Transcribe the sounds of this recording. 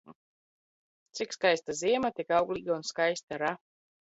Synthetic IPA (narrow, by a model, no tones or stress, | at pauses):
t̪sikskajst̪aziɛmat̪ikawɡlʲˠiɡaunskajst̪aɾa